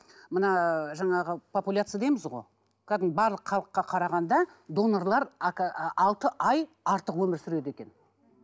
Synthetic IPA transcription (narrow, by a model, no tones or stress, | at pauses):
mənɑʒɑɴɑʁəpʰo̞pulʲat̪sɨjad̪ejmɪzʁo̞̰j | kʲʰæd̪ɪnbɑɾlˠəqχɑlˠəqːɑqʰɑɾɑʁɑnd̪ɑ | d̪o̞norlˠɑɾ | ɑlˠt̪əʔɑj | ɑɾt̪əqwɵmɪɾsʏɾe̞d̪e̞kʲe̞n